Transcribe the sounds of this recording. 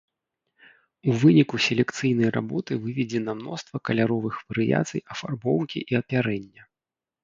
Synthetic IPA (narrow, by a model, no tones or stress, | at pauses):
uvɨnʲikusʲelʲɛkt̪sɨjnɐjrʔa̰bɔt̪ɨvɨvʲɛd͡zʲɛnɐmnɔst̪vɐkɐlʲaɾɔvɨxvɐɾɨja̰t̪sɨ̰jɐfarbɔwkʲḭʔiɐpʲaɾɛnʲːɐ